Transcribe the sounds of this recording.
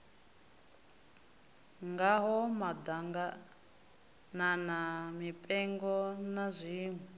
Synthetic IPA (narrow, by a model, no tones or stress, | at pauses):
ŋɡaɦɔmad̪aŋɡa | nanamipʼɛŋɡɔnazʷiːŋwɛ